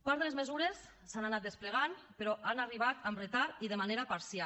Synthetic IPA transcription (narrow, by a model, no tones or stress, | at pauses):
paɾðəlezmezuɾesː | ananat̪̚d̪espleɣ̞anpeɾɔanariβ̞at̪amret̪aɾiðəmaneɾapaɾsja